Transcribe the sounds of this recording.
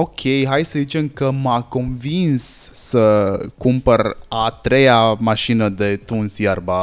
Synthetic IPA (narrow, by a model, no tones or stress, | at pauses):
okʲʰe̞jɦajsəzit͡ʃe̞mkəmako̞nvinsːəkumpərat̪ɾe̞jamaʃinəd̪e̞t̪unsjarba